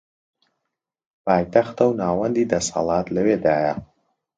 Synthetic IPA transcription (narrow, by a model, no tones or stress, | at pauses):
paːjt̪ɐxt̪ɐwnaːwɐnd̪iːd̪ɐsɐ̰lˠɑːt̪lɐweːd̪aːjɐ